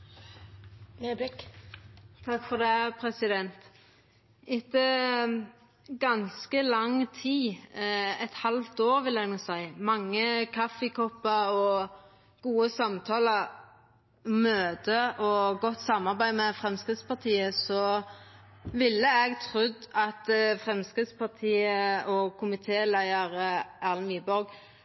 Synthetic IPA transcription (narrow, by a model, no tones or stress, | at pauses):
bɪk | t̪ʰɑkfɔd̪ɛpʰɾɛsɪd̪ɛnt̪ | ɪt̪ːə | ɡɑnskəlɑŋt̪ʰiː | ɛt̪hɑlt̪oːʁʋɪlɛnuːsæɪmɑŋːəkʰɑfəkʰɔpːɑɔ | ɡ̥uːəsɑmt̪ʰɑːlə | møːd̪əʔɔɡɔt̪ːsɑmɑʁbæɪmɛfʁɛmskɪd̪spɑʁt̪ʰiːəsɔ | ʋɪlːəɛɡt̪ʰʁʉd̪ɑt̪fʁɛmskʁɪd̪spɑʁt̪ʰiːəɔkʰʊmɪt̪ʰeːlæɪəʁəæʁlniːbɔɾɡ